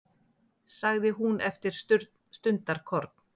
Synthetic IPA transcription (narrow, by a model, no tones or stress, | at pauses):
saɣðɪɦunʔɛft̪ɪɾ̥ | st̪ʏnt̪aɾ̥kʰɔɾt̪̚n̥